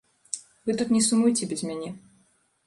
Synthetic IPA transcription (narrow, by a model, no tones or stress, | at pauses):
vɨt̪ut̪nʲɛsumujtʲɪbʲɪzʲmʲanʲi